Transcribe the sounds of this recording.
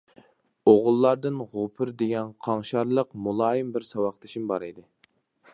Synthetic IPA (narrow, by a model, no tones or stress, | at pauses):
oʁʊlˠːɑɾd̪ɨnʁʊpʰɨɾd̪eɡʲɛnqʰɑŋʃɑɾlˠəqmulˠɑːjimbɪɾsɑwɑχt̪ʰɪʃimbɑɾid̪ɪ